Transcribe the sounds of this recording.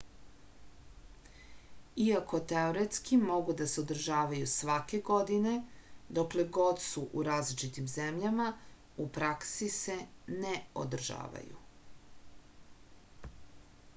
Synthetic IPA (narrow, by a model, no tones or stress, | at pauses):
iako̞t̪eoɾet̪skimo̞ɡud̪aseod̪r̩ʒaːʋajusʋake̞ɡo̞d̪ine̞d̪okle̞ɡo̞d̪suʔuɾaːzlit͡ʃit̪imzemʎama | upɾaksise̞neo̰d̪r̩ʒa̰ːʋa̰jṵ